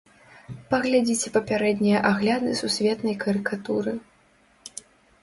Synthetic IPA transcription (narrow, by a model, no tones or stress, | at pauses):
pɐɣlʲad͡zʲit͡sʲɛpɐpʲaɾɛd̪ʲnʲijɐʔaɣlʲad̪ɨsusʲvʲɛt̪nɐjkɐɾɨkat̪uɾɨ